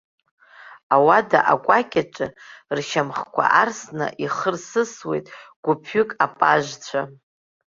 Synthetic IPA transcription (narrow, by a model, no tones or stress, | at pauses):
awadaʔakʷʼakʲʼaʈ͡ʂʼɨrʃamχkʷʰa̰ʔarsna̰ʔiχərsɨswe̞̰jtʼɡ̥ʷʊpʰʏkʼapʼaʒt͡sʷʰa